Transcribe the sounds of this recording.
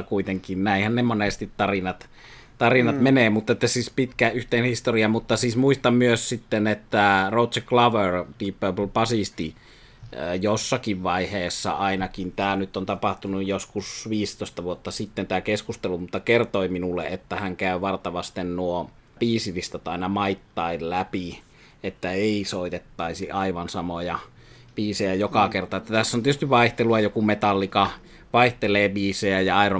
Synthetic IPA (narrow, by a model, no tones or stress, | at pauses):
kuit̪eŋkinnæˑihænnemonest̪it̪tɑrinɑt̪ | t̪ɑrinɑt̪meneːmut̪ːet̪ːæsiːspit̪kæːʔʔyht̪eːnhist̪oriɑmut̪ːɑsiːsmuist̪ɑmmyøssit̪ːenet̪ːæroˑt̪seklɑʋert̪iːpːøplpɑsist̪i | josːɑkiʋʋɑiheːsːɑ̰ɑˑinɑkint̪æːnyt̪ːont̪ɑpɑht̪unujjoskusʋiːst̪oˑist̪ɑʋuot̪ːɑsit̪ːent̪æːkeskust̪elumut̪ːɑkert̪oiminulːḛʔet̪ːæhæŋkæˑyʋɑrt̪ɑʋɑst̪ennuo | biːsilist̪ɑt̪ɑˑinɑmɑit̪ːɑillæpi | et̪ːæeˑisoˑit̪et̪ːɑisiʔɑiʋɑnsɑmojɑ | b̥iːsejæjokɑkert̪ɑet̪ːæt̪æsːont̪iøst̪iʋʋɑiht̪eluɑjokumet̪ɑlːikɑ | ʋɑiht̪eleːbiːsejæjɑɑˑiro